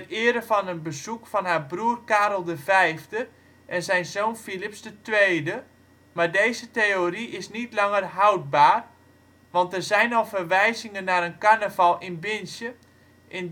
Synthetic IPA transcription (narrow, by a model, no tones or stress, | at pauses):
tɪəɾəfɔnənbəzukfɔnhaːbruərkaːɾəlˠdəvɛjvdə | ʔɛnzɛjnzoːnfilipsdətʋeːdə | mardejzəteoriʔɪsnitlɑŋərɦawd̚baːr | ʋɑntərzɛjnɔlˠfərʋɛjzɪŋənːaɾənkarnəvalˠɪnbɪnsjə | ʔɪn